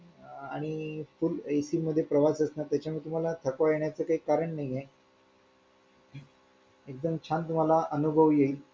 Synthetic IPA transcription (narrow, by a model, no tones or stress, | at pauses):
aɽ̃ifulejsiːməd̪ʱjepɾəʋasəsnat̪jat͡ɕjamiːt̪um̤alat̪ʰəkʋajeɳjat͡səːkaiːkaɾəɳnaɦie | ek̚d̪əmt͡ɕʰant̪um̤alaʔənubʱəʋjeiːl